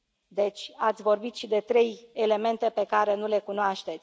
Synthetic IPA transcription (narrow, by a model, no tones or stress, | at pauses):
d̪e̞t͡ʃʲat̪sʲvo̞rbit̪ʃid̪e̞t̪ɾe̞jele̞me̞nt̪e̞pe̞kaɾe̞nule̞kunoaʃt̪e̞t̪sʲ